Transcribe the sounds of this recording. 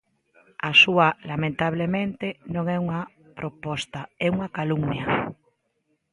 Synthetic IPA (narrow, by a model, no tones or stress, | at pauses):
asualamẽnt̪aβ̞lemẽnt̪enõŋɛuŋa | pɾopɔst̪aɛuŋakaluŋnja